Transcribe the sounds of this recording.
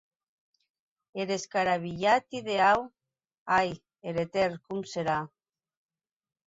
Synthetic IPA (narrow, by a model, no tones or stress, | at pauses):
eɾe̞skaɾaβiʎat̪iðe̞aw | aj | eɾet̪erkumseɾa